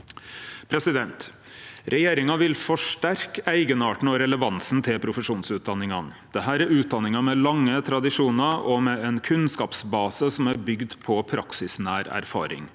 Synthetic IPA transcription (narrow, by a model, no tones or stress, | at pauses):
pʰɾɛsɪd̪ɛnt̪ | ɾʔɛjeːɾɪŋɑʋɪlfɔʂʈæɾkæɪɡənɑːʈɳ̩ɔɾɛləʋɑnsn̩t̪ʰɪlpʰɾʊfəʂuːnsʉːt̪̚d̪ɑnːɪŋɑnə | d̪̥ɛɦæːɾæɾʉːt̪̚d̪ɑnːɪŋɑmɛlɑŋːət̪ʰɾɑd̪ɪʂuːnəɾɔmɛɛnkʰʉnskɑːpsbɑːsəsɔmæɾbʏɡd̪pʰɔpʰɾʔɑ̰ksɪsnæːɾæ̰ɾfɑ̰ːɾɪ̰ŋ